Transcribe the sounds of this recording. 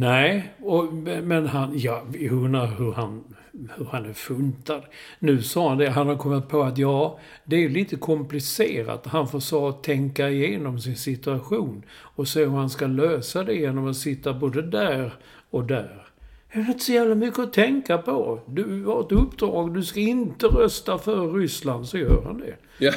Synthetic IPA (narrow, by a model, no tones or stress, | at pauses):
nɛɪɔmmɛnɦanjɑːɵnːaɾhɵɾɦan | hɵɾhanæɾfɵnt̪ad̪nʉ̟ːsɑːɦand̪ɛɦanhaɾkʰɔmːɪt̪̚pʰɔat̪jɑː | d̪ɛæɾjɵliːt̪əkʰɔmplɪseːɾa̰t̪ɦanfoːsɑːt̪ʰːɛŋkaɪjeːnɔmsɪnsɪt̪ɵaɧuːnɔseːhʉhanskaløːsad̪ɛjeːnɔmat̪sɪt̪ːaboːd̪əd̪æːɾ | ɔk̚d̪æːɾ | jɑvɛt̪sɔjæːvlamʏkːəɔt̪ʰɛŋkapʰɔd̪ɵhaɾɛt̪ɵpːd̪ɾɑ̰ːɡd̪ɵskaɪnt̪əɾœst̪afœɾːʏsland̪sɔjœ̰ːɾha̰nd̪ɛ̰